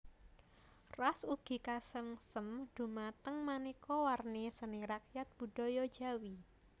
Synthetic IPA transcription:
rɔsuɡ̥i̤kasəŋsəmd̥ṳmat̪əŋmanikɔwarnisəniɾak̚jat̪̚b̥ṳɖ̥ɔjɔ̥d͡ʒa̤wi

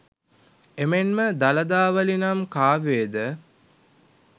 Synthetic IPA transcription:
emenməd̪alɐd̪aːʋəlinamkaːʋeːd̪ə

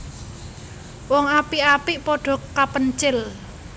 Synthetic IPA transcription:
wɔŋapiapiʔpɔɖ̥ɔ̤kapənt͡ʃɪl

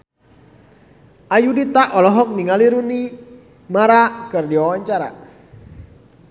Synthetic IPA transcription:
ʔajudit̪aʔɔlɔɦɔk̚niŋaliɾuni | maɾakərdiwawaɲt͡ʃaɾa̰

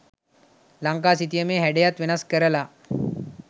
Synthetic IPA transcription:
laŋk̬aːs̬it̪ijəmeːɦæɖejat̪ʋenaskəɾəla

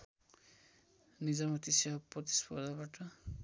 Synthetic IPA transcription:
nid͡zamʌt̪isjaɦprʌt̪i̥spʌɾd̪ʱabaʈʌ

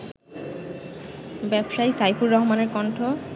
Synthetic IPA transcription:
bɛbʃajsajpʰuɹːɔɦmaneɹkɔɳʈʰo

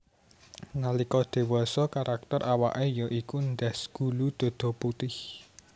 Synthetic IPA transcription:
nalikɔd̪̥e̤wɔsɔkaɾʔak̚t̪ɔrʔawa̰ʔejɔʔikund̪asɡ̥ṳlud̪̥o̤d̪̥ɔ̤put̪ɪh

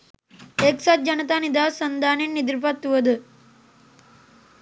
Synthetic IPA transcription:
eksat̪̚d͡ʒɐnət̪aːnid̪aːsənd̪ʱaːninːid̪ɾipat̪ːuʋəd̪ə

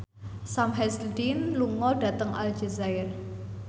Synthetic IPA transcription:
samɦɛsldinluŋɔɖ̥ä̤t̪əŋa̰ld͡ʒezajər

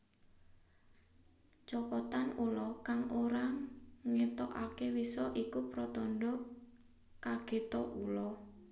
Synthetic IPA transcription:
t͡ʃɔkɔt̪anulɔkaŋʔoɾaŋɛt̪ɔʔakewisɔʔikupɾɔt̪ɔnɖɔ | kːaɡ̥e̤t̪ɔʔulɔ

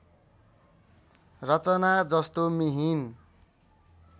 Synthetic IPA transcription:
rʌt͡sʌnad͡zʌst̪omiɦin

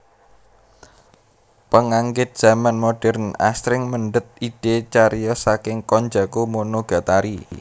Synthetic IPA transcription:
pəŋaŋɡɪt̪̚d̥z̥a̤manmoɖ̥ɛrna̰sɾɪŋməɳɖət̪̚iɖ̥et͡ʃaɾjɔsakɪŋkɔɲd͡ʒakomonoɡ̥a̤t̪aɾi

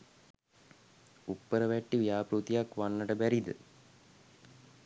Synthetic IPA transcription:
upːəɾəʋæʈːiʋijaːpɾut̪ijakʋanːəʈəbæɾid̪ə̰

